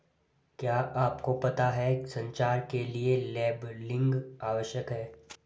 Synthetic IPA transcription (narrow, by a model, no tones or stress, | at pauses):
kjaːʔaːpkopɐt̪aɦɛsɐ̃ɲt͡ʃaːɾkelielɛːblɪ̃ŋɡaːʋəʃjəkɦɛː